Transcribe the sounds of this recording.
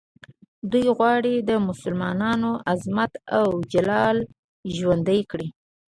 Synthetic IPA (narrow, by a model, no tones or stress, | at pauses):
d̪ujɣwɑɽid̪əmʊsʊlmɑnɑnoʔazmat̪awd͡ʒalɑl | ʒwand̪əjkɽi